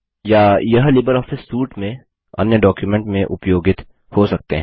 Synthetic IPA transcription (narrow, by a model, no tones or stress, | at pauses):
jaːjɐɦlɪbəɾɔːfɪsːuːʈmẽ | ɐ̰njəɖɔːkjumẽɳʈmẽʔʊpjoːɡɪt̪ | hosɐk̚t̪eɦɛ̃